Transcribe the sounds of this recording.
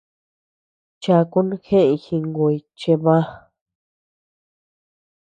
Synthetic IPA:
t͡ʃa˧ku˦nũ˦xẽ˦ʔĩ˧xĩ˧ŋɡo˧˨i˧t͡ʃe˧βã˦

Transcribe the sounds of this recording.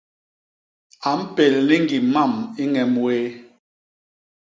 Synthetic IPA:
a˨m̩˦pe˨lli˦ŋɡi˨ma˦˨mi˦ŋɛ˨mwe˦

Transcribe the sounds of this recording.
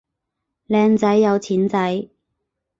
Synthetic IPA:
lɛː˧ŋt͡sɐ˨˥jːɐ˨˧wt͡sʰiː˨˥nt͡sɐ˨˥j

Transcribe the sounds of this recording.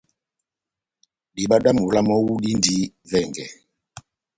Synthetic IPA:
ɗi˨ɓa˦ɗa˦mu˨la˦mɔ˦wu˦ɗi˦ndi˦vɛ˨ŋɡɛ˨

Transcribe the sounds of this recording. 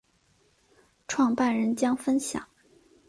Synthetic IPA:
ʈ͡ʂʰwɑ˥˧ŋpa˥˩nɻə˧˥nt͡ɕjɑ˥ŋfə˥nɕjɑ̰˨˩˦ŋ

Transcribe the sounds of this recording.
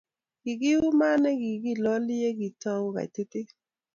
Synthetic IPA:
ɡ̥ɪ˨ɡɪ˦ʊ˦ma˦nɛ˦ɡɪ˨ɡi˦˨lɔ˦lɪ˦e˦ɡi˨ta˦ka̰˨te˦te˦

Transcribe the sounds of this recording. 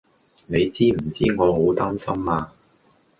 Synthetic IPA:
ne˨˧jt͡siː˥m̩˨˩t͡siː˥ŋɔː˨˧ɦo˨˥wt̪aː˥nsɐ˥maː˧

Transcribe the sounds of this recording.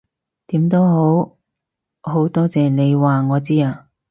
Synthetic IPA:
t̪iː˨˥mt̪o˥wɦo˨˥w | ɦo˨˥wt̪ɔː˥t͡sɛː˨˧ne˨˧jwaː˨˩ŋɔː˨˧t͡siː˥aː˧

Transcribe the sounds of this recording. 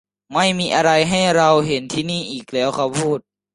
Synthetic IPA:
ma˥˩jmiː˧ʔa˧ɾa˧jɦa˥˩jɾa˧wɦe˨˦nt̪ʰiː˧niː˥˩ʔiː˨˩k̚lɛː˦˥wkʰa˧˩wpʰuː˥˩t̪̚

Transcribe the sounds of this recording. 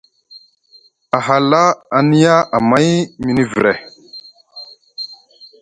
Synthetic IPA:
a˨ɦa˨la˦a˨ni˦ja˦a˨ma˦jmi˨ni˦vi˨ɾḛ˨

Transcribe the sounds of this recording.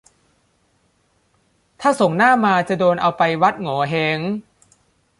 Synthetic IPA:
t̪ʰaː˥˩so˨˩ŋnaː˥˩maː˧t͡ɕa˨˩doː˧nʔa˧wpa˧jwa˦˥t̪̚ŋɔː˩˦ɦe˧˦ŋ

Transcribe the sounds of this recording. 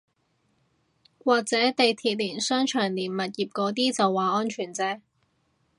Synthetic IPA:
waː˨˧k̚t͡sɛː˨˥t̪e˨jt̪ʰiː˧t̚liː˨˩nsœː˥ŋt͡ʃʰœː˨˩ŋliː˨˩nmɐ˨t̬̚jiː˨˩p̚kɔː˨˥t̪̬iː˥t͡sɐ˨wːaː˨ɔː˥nt͡ʃʰyː˨˩nt͡sɛː˥

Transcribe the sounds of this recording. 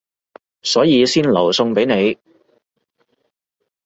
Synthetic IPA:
sɔː˨˥jiː˨˧siː˥nlɐ˨˩wsʊ˧ŋpe˨˥jne˨˧j

